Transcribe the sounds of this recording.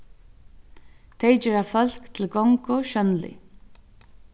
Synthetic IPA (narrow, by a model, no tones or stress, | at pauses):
t̪ʰejd͡ʒɛːɹafœl̥kt̪ʰɪlɡɔŋkʊʃœnlɪ̰